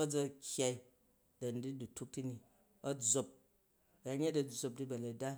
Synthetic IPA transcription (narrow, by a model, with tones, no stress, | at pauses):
ɐ˦d͡zɐ˧kʲja˨˧i˦ | dɐ˨n̩˨di˦du˨tu˦k̚ti˦ni˨ | ɐ˦d͡zo˧p̚ | a˨˦ɲe˦tdɐ˨d͡zo˧p̚di˦bɐ˨lɐ˨da˦